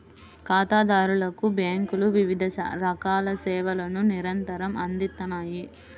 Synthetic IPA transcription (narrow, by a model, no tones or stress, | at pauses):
kaːt̪aːd̪aːɾulɐkubjaːŋkuluʋiʋid̪ʱɐsɐ̰ɾɐkaːlɐsɛːʋɐlɐnuniɾɐnt̪ɐɾɐmɐnd̪it̪ːɐnaːji